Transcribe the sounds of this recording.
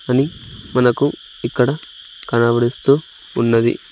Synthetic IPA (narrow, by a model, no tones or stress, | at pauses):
ɐnimɐnɐku | ikːɐɽɐ | kɐnaːbɐɽist̪uː | nːɐd̪ḭ